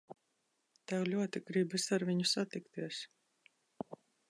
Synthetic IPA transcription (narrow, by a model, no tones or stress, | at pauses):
t̪ɛwlʲuɔt̪iɡɾibisaɾviɲusat̪ikt̪iɛs